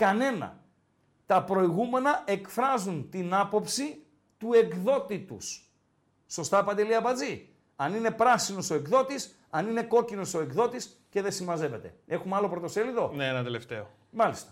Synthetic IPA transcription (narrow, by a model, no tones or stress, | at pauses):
kɐne̞nɐ̰ | t̪ɐpɾo̞iɣume̞nɐe̞kfɾɐzunt̪inɐpo̞psi | t̪ue̞kðo̞t̪it̪ṵsː | o̞st̪ɐpɐnd̪eliɐpɐd͡zi | ɐnine̞pɾɐsino̞so̞e̞kðo̞t̪is | ɐnine̞ko̞cino̞so̞e̞kðo̞t̪is | ce̞ðe̞simɐze̞ve̞t̪e̞̰e̞xumeɐlo̞pɾo̞t̪o̞seliðo̞neenɐt̪eleft̪eo | mɐlist̪ɐ̥